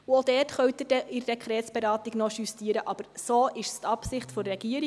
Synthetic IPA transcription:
uodɛːrtχœwt̪ədɛɪɾɛkχɾɛːsb̥ɛɾɑːtiɡnɔʃystiəɾəʔɑb̥əɾsoːʔɪʃstɑpsɪχtfɔɾːɛɡ̥iəɾɪ

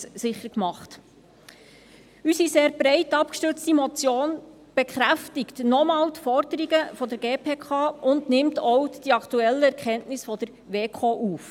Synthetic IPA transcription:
sɪχəɾkmɑχt | ysiseːɾb̥ɾɛɪtɑp̚kʃtʏɾt͡stimɔt͡sjoːn | b̥ɛkχɾæftɪktnɔmɑːltfɔɾdəɾiɡəfɔdəɾɡeːpʰeːkʰɑːʊndnɪmtʰɔwd̥iɑktuɛlːəɛɾkχɛntnɪsfɔd̥əɾ | ʋeːkʰoːʔuːf

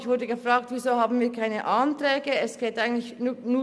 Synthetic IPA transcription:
çv̥ʊɐdəɡəfʁaːktvizoːhaːbn̩viːɐkʰaɪnəʔantʁɛːɡəɛsɡ̥eːtʔaɪɡən̩tlɪçnuː

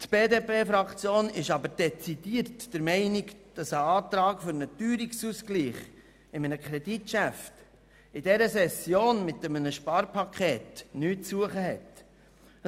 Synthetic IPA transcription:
t̪b̥eːdeːpʰeːfɾɑkt͡sjoːnɪʃɑbəɾd̥ɛt͡sidiːəɾtd̥əɾmɛɪnɪkd̥ɑsəɑːt̪ɾɑːkfʏɾnətyːɾiksuːskliːχ | ɪmənəkʰɾɛditʃæft | ɪdɛɾəsɛsjoːnmɪt̪əmənəʃpɑːɾpʰɑkʰeːtnyːtsuəχəɦɛt̪

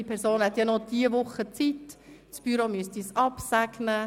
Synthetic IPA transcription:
ipʰɛɾsoːnhɛt̪jɑnɔd̥iəvʊχːət͡sit | sb̥yɾomyəstisɑpsæɡnə

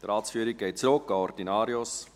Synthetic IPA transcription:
dɾɑːtsfyəɾik̚ɡ̥eɪt̚t͡srʊkːɑɔrdinɑːɾjos

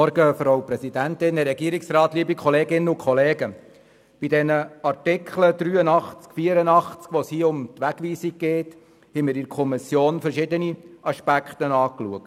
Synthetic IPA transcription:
ɔɾɡəfɾawpɾɛsidæntɪnəɾɛɡiəɾiksrɑːt̪liəbikʰɔleːɡɪnːəʊkχɔleːɡə | b̥idɛnəɑrtɪkʰχləd̥̪ɾyːənɑχt͡skfiːəɾənɑχt͡skʋɔshiːəʊmt̪ʋæɡ̥ʋiːsiɡ̚ɡeːt | hɛmɪɾɪɾkʰɔmɪsjoːnfɛɾʃɪd̪əniɑʃpækχt̪ənɑːklṵək̚t

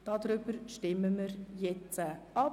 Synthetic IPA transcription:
d̥ɑd̪̥ɾʏbəɾʃtɪməməɾjɛt͡səɑ

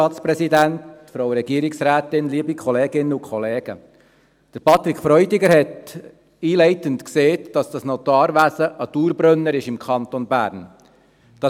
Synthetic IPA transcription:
ɑːtt͡spɾɛsidæntfɾowɾɛɡiəɾiksɾæːtɪnliəbikʰɔleːɡɪnːəukχɔleːɡ̥ə | d̥əɾpʰɑt̪ɾikχfɾœʏdɪɡəɾɦɛt | iːlɛɪtəntkseːtd̥ɑsd̥ɑsnɔt̪ɑːɾʋæsəʔɑt̪uːɾbɾœnːəɾɪʃɪmkʰχɑnt̪onbæ̰ːɾn | d̥ɑ

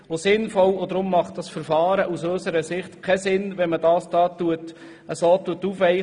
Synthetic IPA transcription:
ʋosɪnfɔlod̪ɾʊmːɑχt̚d̥ɑsfəɾfɑːɾəʔusøsəɾəsɪχt̪kʰɛsɪnʋɛnmədɑːsd̥ɑːtuət | əsoːt̪ːuətufɛɪ

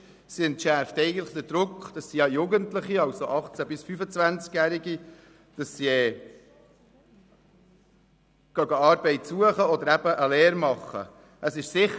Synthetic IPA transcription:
siɛntʃæɾftɛɪɡən̩tləχd̪əɾd̥ɾʊkχd̥ɑsːiɑjuɡəntləχiɑwsoʔɑχt͡sæbɪsfyfət͡svænt͡skjæɾiɡi | d̥ɑsːiɛ | kœɡəɑːɾbɛɪtsuəχəɔd̪əɾæb̥əʔəlɛːɾmɑχːə̰ | ʔəsɪʃsɪχ

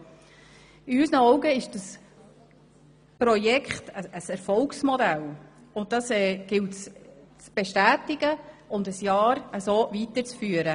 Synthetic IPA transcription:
ɪysnəɔʊɡəɪʃd̥əs | pɾɔjɛkχtəəsɛɾfɔlksmɔdæl | ʊnt̚d̥ɑsɛːɡ̥ɪltst͡sb̥eʃtæːtɪɡ̥əʊnd̪əsjɑːɾəsoːvitəɾt͡sfyːəɾə

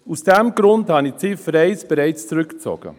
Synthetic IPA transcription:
usd̥ɛmɡ̥ɾʊndhɑnit͡sɪfɾɛɪsb̥ɛɾɛɪt͡st͡sɾʏkt͡sɔ̰ɡ̥ə̰

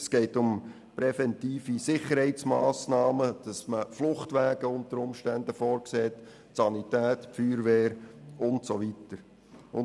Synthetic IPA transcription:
sɡ̥eɪtʊm | pɾɛfɛntiːfisɪχəɾhɛɪt͡smaːsnɑːməd̥ɑsməflʊχtʋæːɡ̥əʊntəɾʊmʃtændəfɔːɾkseːɛt | sɑnitæːtfyːɾʋeːɾʊntsoʋitəɾ | ʊn

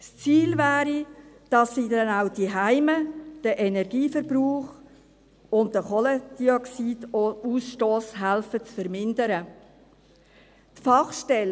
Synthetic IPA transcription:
st͡siːlvæːɾid̥ɑsːiːdɛnawd̥iɦæɪməd̥əʔɛnɛɾɡiːfəɾbɾuːχ | ʊnddəχɔlɛd̥iɔksiːdusʃtoːsɦælfət͡sfəɾmɪndəɾə | tfɑχʃtɛl

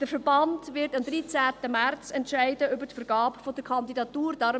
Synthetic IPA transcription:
d̥əfəɾbɑndvɪɾtɑmd̪ɾit͡sæːtəmært͡sɛntʃæɪdəʔʏbəɾtfəɾɡɑːpfod̥əkʰɑndidɑtuːɾd̥ɑɾ

